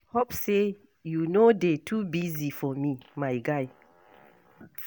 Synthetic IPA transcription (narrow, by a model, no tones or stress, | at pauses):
hopse | junodetʰubizifɔmimaɪɡaj